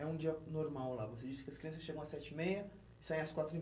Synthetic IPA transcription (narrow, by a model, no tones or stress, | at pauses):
ɛũd͡ʒiɐnoɾmawlavosed͡ʒisɪ̥kɪɐskɾiɐ̃s̬ɐsʃeɡɐ̃ɐsɛt͡ʃɪimejɐ | ɪ̥sajẽɐskwat̪ɾʊi